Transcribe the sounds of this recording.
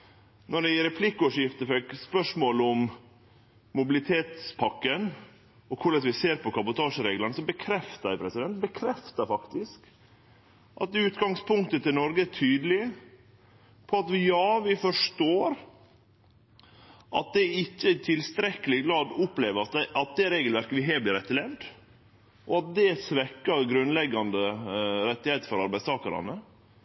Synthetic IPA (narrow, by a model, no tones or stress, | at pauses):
nɔɖɛɪɾɛpʰlɪkːɔːʂjɪft̪əfɛkspœʂmoːlʊm | mʊbɪlɪt̪ʰeːt̪spʰɑkːən | ɔkʰʊɭɛt̪ʋɪseːɾpɔkɑbʊt̪ʰɑːʂəɾeːɡlənəsɔbəkʰɾɛft̪əpʰɾɛsɪd̪ɛnt̪bəkʰɾɛft̪əɾfɑkt̪ɪsk | ʔɑ̰t̪̚d̪ɛʉːt̪ɡɑŋspʊŋkt̪ət̪ʰɪlnɔɾɡəætʰyːd̪əlɪə | pʰɔɑt̪ʋɪjɑːʋɪfɔʂʈoːɾ | ʔɑ̰t̪̚d̪ɛɪcːət̪ʰɪlst̪ɾɛkːəlɪɡɾɑːd̪ʊpleːʋəɾɑt̪ʔɑt̪̚d̪ɛɾeːɡəlʋæɾkəʋɪɦeːblɪːɾɛt̪ːəlɛʋd̪ | ʔɔɑt̪̚d̪ɛsʋɛkːəɾɡɾʉnlɛɡːɑnd̪əɾɛt̪ːɪheːt̪fɔɾɑɾbæɪst̪ʰɑːkəɾɑ̰nə